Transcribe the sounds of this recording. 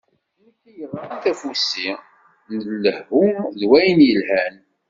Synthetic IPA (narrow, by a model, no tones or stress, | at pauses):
iθijəɾˤːɑnθæfusi | nəlːəhːuðwæjnjəlhæn